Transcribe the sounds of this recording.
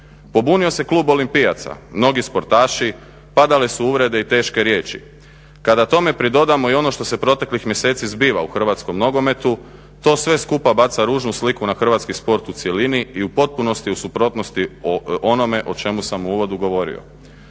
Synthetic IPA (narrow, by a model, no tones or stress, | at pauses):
po̞bunio̞se̞klˠuːbo̞limpia̰t̪sa̰mno̞ɡispo̞ɾt̪aːʃi | pad̪alisuuʋɾe̞d̪e̞it̪e̞ːʃke̞ɾje̞ːt͡ʃḭ | kad̪at̪o̞me̞pɾid̪o̞d̪amo̞io̞no̞ʃt̪o̞se̞pɾo̞t̪e̞klixmje̞se̞ːt̪sizbiːʋa̰uxr̩ʋat̪sko̞mno̞ɡo̞me̞t̪u | t̪o̞ːsʋe̞skupabat̪saɾuːʒnuslikunaxr̩ʋat̪skispo̞ɾt̪ut̪sje̞liniiupo̞t̪̚puno̞st̪iusupɾo̞t̪no̞st̪io̞no̞me̞ʔo̞t͡ʃe̞musamuuːʋo̞d̪uɡo̞ʋo̞ɾḭo̰